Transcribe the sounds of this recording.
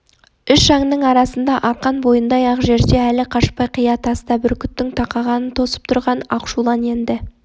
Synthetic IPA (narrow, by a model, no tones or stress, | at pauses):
ʏʃʒɑŋnəɴɑɾɑsənd̪ɑʔɑqːɑnbo̞jənd̪ɑjɑqʒe̞ɾd̪e̞ælɪqʰɑʃpɑjqʰijɑt̪ʰɑst̪ɑbɪɾkʲʰʏt̪ːɪŋt̪ʰɑqɑʁɑnənt̪ʰo̞sə̥p̚t̪ʰʊɾʁɑnɑ̰qʃulˠɑne̞nd̪ɪ